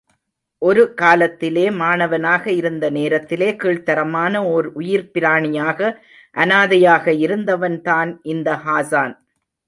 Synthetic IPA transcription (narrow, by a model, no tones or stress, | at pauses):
ʔɔɾɯkaːlɐt̪ːɪleːmaːnɐʋɐnaːɣɐɪɾɯnd̪ɐneːɾɐt̪ːɪleːkiːɭt̪ɐɾɐmaːnɐɔɾʊjɪɾpɪɾaːɳɪjaːɣɐ | ʔɐnaːðɐjaːɣɐɪɾɯnd̪ɐʋɐnt̪aːnʔɪnd̪ɐhaːsaːn